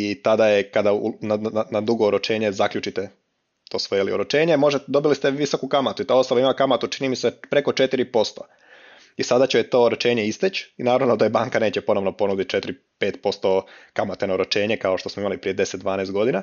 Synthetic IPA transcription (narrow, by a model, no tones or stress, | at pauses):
it̪ad̪ajekad̪aunananad̪uɡo̞oɾot͡ʃe̞ːɲe̞zakʎut͡ʃit̪e | t̪o̞ːsʋo̞jelioɾot͡ʃe̞ːɲemo̞ʒet̪d̪o̞bilist̪e̞ʋiso̞kukamat̪uit̪ao̞st̪alaimakamat̪ut͡ʃinimisepɾe̞ko̞t͡ʃe̞t̪iɾipo̞st̪o | isad̪at͡ɕet̪o̞ːɾot͡ʃe̞ːɲe̞ist̪et͡ɕinaːɾaʋnod̪ajebaːŋkane̞ːt͡ɕe̞po̞no̞ʋnopo̞nud̪it̪̚t͡ʃe̞t̪iɾi | pe̞ːt̪po̞st̪o̞kamat̪enaoɾot͡ʃe̞ːɲe̞kaoʃt̪o̞smoimalipɾije̞d̪e̞set̪d̪ʋaːnest̪ɡo̞d̪ina